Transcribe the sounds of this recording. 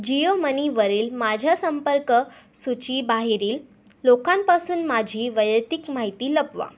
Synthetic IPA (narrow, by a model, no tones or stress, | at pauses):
d͡ʑijoməniʋəɾiːlmad͡ʑʱjasəmpəɾkə | sut͡ɕiːbaɦeɾiːlː | okampasuːnmad͡ʑʱiːʋəjət̪ikmaɦit̪iːləpʋa̰